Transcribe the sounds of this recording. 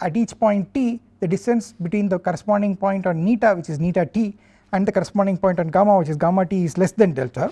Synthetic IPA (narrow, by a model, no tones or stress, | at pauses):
æʈiːt͡ʃpɔ̃ɪ̃ɳʈ̚ʈiːd̪ɐɖɪsʈɐ̃nsbɪʈwĩːnd̪əkɔɾɛspɔ̃ːɳɖɪ̃ŋpɔ̃ɪ̃ɳʈɔ̃ɳniːʈaʋɪt͡ʃɪzniːʈaʈiː | ɛ̃ɳɖd̪ɐkɔɾɛspɔ̃ːɳɖɪ̃ŋpɔ̃jɪ̃ɳʈɔ̃nɡaːmaːʋɪt͡ʃisɡaːmaʈiːɪzlesd̪ɛ̃ɳɖɛ̰lʈə